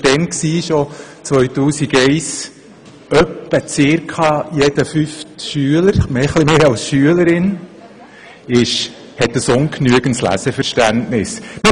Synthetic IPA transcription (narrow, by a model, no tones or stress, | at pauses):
tɛnksiːʃot͡sʋœʏtuːsiɡɛɪs | œpːət͡sɪːɾkʰɑːjɛd̥̪əfyftʃyələɾmɛːχlimeːɑlsʃyələɾɪn | ɪʃ | hɛt̪ːəsʊŋknyəɡ̥ən̩tslæ̰səfəɾʃtæntnɪsmɪ